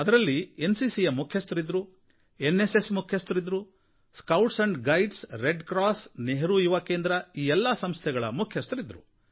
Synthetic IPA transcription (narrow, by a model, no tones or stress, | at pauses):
ɐd̪ɐɾɐlːiensisijɐmukʰjɐst̪ɾid̪ɾu | enːesesmukʰjɐst̪ɾid̪ɾu | skɐwʈsɐɳɖɡɐjɖsɾeɖkɾaːsneɦɾuiʋɐkeːnd̪ɾɐiːɛlːɐsɐmst̪ʰɛɡɐɭɐ̰mukʰjɐst̪ɾid̪ɾu